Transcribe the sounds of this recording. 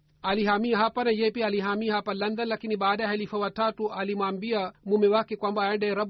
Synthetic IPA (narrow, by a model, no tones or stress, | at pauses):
aliɦamiaɦapanajɛpiaːliɦamiaɦapalɐnd̪ɐnlakiniɓaːɗajɛɦalifawatatuʔalimwaːmbiamumɛwakɛkwambaɛɳdaɾɐb